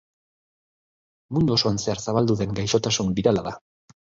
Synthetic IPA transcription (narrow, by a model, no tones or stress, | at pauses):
mund̪uo̞so̞anse̞aɾsaβald̪uðe̞ŋɡajʃo̞t̪asumbiɾalaða